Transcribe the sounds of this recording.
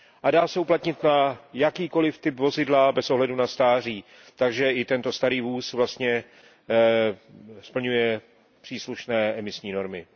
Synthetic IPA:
ʔadaːsɛuplat̪ɲɪt̪najakiːko̞lɪft̪ɪpvo̞zɪdlabɛsʔo̞ɦlɛdunast̪aːr̝iː | t̪aɡʒɛʔɪt̪ɛnt̪o̞st̪aɾiːvuːsvlast̪ɲɛ | spl̩ɲujɛ | pr̝̥iːsluʃnɛːʔɛmɪsɲiːno̞ɾmɪ

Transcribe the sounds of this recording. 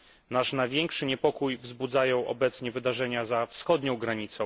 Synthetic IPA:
naʂnavʲjɛŋkʂɘɲɛpɔkujvzbud̪zajɔ̃w̃ʔɔ̰bɛt̪sɲɛvɘd̪aʐɛɲazafsxɔd̪ɲɔ̃w̃ɡɾaɲit̪sɔ̃w̃

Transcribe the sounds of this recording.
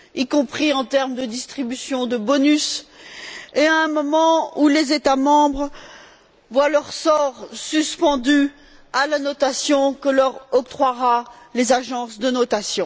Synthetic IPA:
ikɔ̃pχiɑ̃t̪ɛʁmd̪əd̪ist̪χibysjɔ̃d̪əbɔnys | eaɛ̃mɔmɑ̃ulezet̪amɑ̃bʁ | vwalœʁsɔʁsyspɑ̃d̪y | alanɔt̪asjɔ̃kəlœʁɔk̚t̪χwaʁa | lezaʒɑ̃sd̪ənɔt̪asjɔ̃

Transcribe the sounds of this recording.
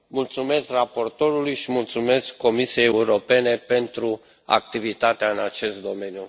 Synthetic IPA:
mult̪sume̞skrapo̞rt̪o̞ɾulujʃimult̪sume̞skːo̞misije̞jeuɾo̞pe̞ne̞pe̞nt̪ɾu | a̰k̚t̪ivit̪at̪eaɨnat͡ʃe̞st̪̚d̪o̞me̞nju

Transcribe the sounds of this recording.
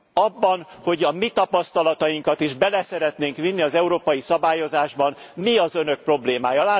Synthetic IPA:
ɒbːɒnho̞ɟɒmit̪ɒpɒst̪ɒlɒt̪ɒjiŋkɒt̪iʒbɛlɛsɛɾɛt̪neːŋkʋinːiɒzɛuɾoːpɒjisɒbaːjo̞zaːʒbɒn | miɒzønø̞k̚pro̞bleːmaːjɒlaː

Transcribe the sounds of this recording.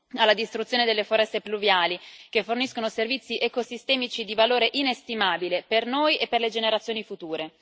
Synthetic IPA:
alːad̪ist̪ɾut̪sjoːned̪elːefoɾɛst̪epluvjaːlikefːorniskonoservit̪sːiʔɛkosist̪ɛːmit͡ʃid̪ivaloːɾeʔinest̪imaːbilepernoːjepːerled͡ʒeneɾat̪sjoːnifut̪uːɾe

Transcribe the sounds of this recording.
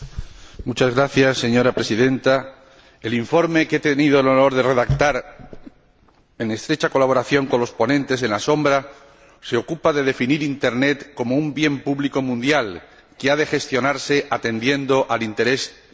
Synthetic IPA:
mut͡ʃazɣɾaθjasːe̞ɲo̞ɾapɾe̞siðe̞nt̪a | eliɱfo̞ɾme̞ket̪enið̞oelono̞ɾðe̞re̞ðak̚t̪aɾ | e̞ŋe̞st̪ɾe̞t͡ʃako̞laβ̞o̞ɾaθjo̞ŋko̞nlo̞spo̞nẽ̞nt̪e̞s̬e̞nlaso̞mbɾa | se̞o̞kupaðe̞ð̞e̞finiɾint̪e̞ɾne̞t̪ko̞moumbje̞mpuβliko̞mũnd̪jal | keað̞e̞xe̞st̪jo̞naɾse̞ʔat̪e̞nd̪je̞nd̪o̞ʔalint̪e̞ɾe̞s

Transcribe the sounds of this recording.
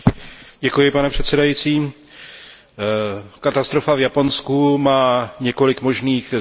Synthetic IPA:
ɟɛkujɪpanɛpr̝̥ɛt̪sɛdajiːt͡siː | kat̪ast̪ɾo̞favjapo̞nskumaːɲɛko̞lɪkmo̞ʒniːx

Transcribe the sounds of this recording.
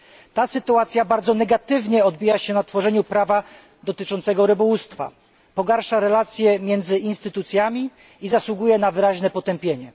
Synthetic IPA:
t̪asɘt̪uat̪sʲjabaɾd̪zɔnɛɡat̪ɘvɲɛɔd̪̚bʲijaɕɛnat̪fɔʐɛɲupɾava | d̪ɔt̪ɘt͡ʂɔnt̪sɛɡɔɾɘbɔwust̪fa̰ | pɔɡaɾʂaɾɛlat̪sʲjɛmʲjɛnd̪zɘinst̪ɘt̪ut̪sʲjamʲi | izaswuɡujɛnavɘɾaʑnɛpɔt̪ɛmpʲjeɲɛ

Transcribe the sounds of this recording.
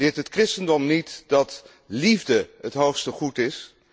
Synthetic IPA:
ɪːɹtɦətkrɪstəndɔmnitd̥ɑt | livdəɦətɦowχstəχutɪs

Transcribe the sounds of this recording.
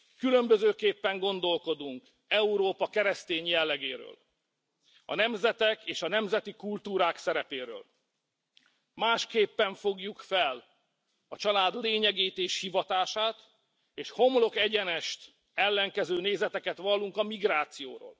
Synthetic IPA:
kylø̞mbøzøːkeːpːɛŋɡo̞nd̪o̞lko̞d̪uŋk | ɛuɾoːpɒkɛɾɛst̪eːɲjɛlːɛɡeːɾø̰ːl | ɒ̰nɛmzɛt̪ɛkeːʃɒnɛmzɛt̪ikult̪uːɾaːksɛɾɛpeːɾø̰ːl | maːʃkeːpːɛɱfo̞ɡjukfɛl | ɒt͡ʃɒlaːd̪leːɲɛɡeːt̪eːʃhivɒt̪aːʃaːt̪ | eːʃho̞mlo̞kɛɟɛnɛʃt̪ | ɛlːɛŋkɛzøːneːzɛt̪ɛkɛt̪ʋɒlːuŋkɒmiɡraːt̪sijoːɾo̰ːl

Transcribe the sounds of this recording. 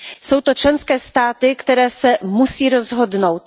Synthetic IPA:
so̞wt̪ot͡ʃlɛnskɛːst̪aːt̪ɪkt̪ɛɾɛːsɛmusiːɾozɦo̞d̪no̞wt̪̚

